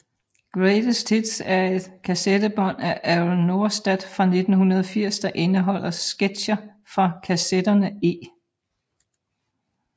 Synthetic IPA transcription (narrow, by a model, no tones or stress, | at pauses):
ɡ̥ʁed̥əstʰid̥sæɐe̝d̥kʰæsed̥əb̥ɒ̽n̰æʔæʊnːo̝ɐsd̥æd̥fʁɑ̈ne̝d̥n̩hunɐð̞ˠfiɐ̰sd̥ɑ̈ʔe̝nəɦɒ̽l̰ɐsɡ̥ed̥ɕɐ | fʁɑ̈kʰæsed̥ɐnəe̝ː